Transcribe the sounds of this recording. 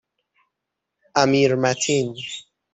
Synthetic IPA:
ʔamiɾmat̪ʰin

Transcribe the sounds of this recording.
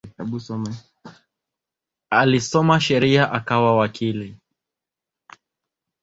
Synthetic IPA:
usɔm | alisɔmaʃɛɾiaʔakawawakʰili

